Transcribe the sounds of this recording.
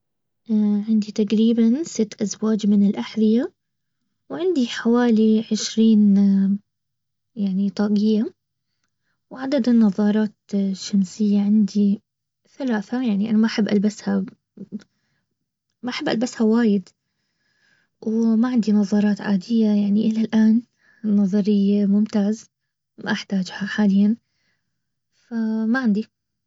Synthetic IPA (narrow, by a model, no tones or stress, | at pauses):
ʔaʕɪnd̪it̪aqɾiːbansɪt̪ːʔazwaːd͡ʒmɪnɪlʔaħðɪja | wʕɪnd̪iħawaːliʕɪʃɾiːn | jaʕnit̪ˤɑːɡɪjːa | wʕad̪ad̪ɪnːɑðˤːɑːɾˤɑːt̪ʃːamsɪjːaʕɪnd̪i | θalaːθajaʕniʔanamaʔħɪbːʔalbasha | maʔaħɪbːʔa̰lbashawaːjɪd̪ | wmaʕɪnd̪inɑðˤɑːɾˤɑːt̪ʕaːd̪ɪjːajaʕniʔɪlalʔaːn | nːɑðˤɑɾɪjːmʊmt̪aːz | ma̰ʔaħt̪aːd͡ʒhaħaːlɪjːan | famaʕɪnd̪i